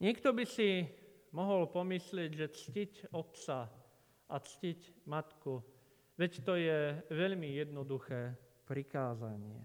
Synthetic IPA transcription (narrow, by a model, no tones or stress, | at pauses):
ɲɪɛkt̪ɔbisi | mɔɦɔlpɔmislɪɛɟʒɛt͡scicɔt̪t͡sa | ʔat͡scicmat̪ku | ʋɛct̪ɔjɛʋɛʎmijɛd̪nɔd̪uxɛːpɾikaːzaɲɪɛ̰